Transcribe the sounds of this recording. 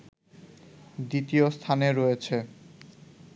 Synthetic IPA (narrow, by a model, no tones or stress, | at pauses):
d̪it̪iost̪ʰaneɾɔet͡ɕʰe